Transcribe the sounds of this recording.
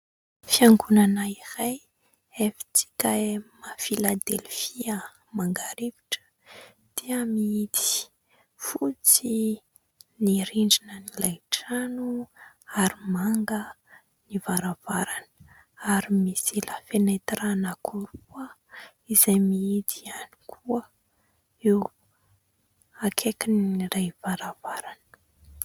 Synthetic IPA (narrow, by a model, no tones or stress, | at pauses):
fiaŋɡunanairaj | efi̥t͡si̥kʲaemafilad̪elfiə | maŋɡaɾivi̥ʈ͡ʂə̥ | d̪̥iəmiit̪i̥ | fut͡si | niɾiɳɖ͡ʐinənilajʈ͡ʂanu | aɾimaŋɡə | nivaɾavaɾanə̥ | aɾimisiləfenet̪ɾanakuɾuə | izajmiid̪iani̥kʰuə | ew | akʰekinrajvaɾavaɾanə̥ə̥